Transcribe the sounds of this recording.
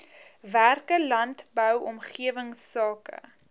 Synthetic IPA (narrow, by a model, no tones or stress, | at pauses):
værkəlɐntbœwɔmχiəvəŋsɑːkə̰